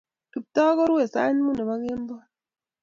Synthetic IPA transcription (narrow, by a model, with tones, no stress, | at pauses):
tu˨p̚t̪ɔ˦kɔ˦ɾwe˨sa̰˦n˦mu˦ne˨ma˦ɣe˦mbɔ˦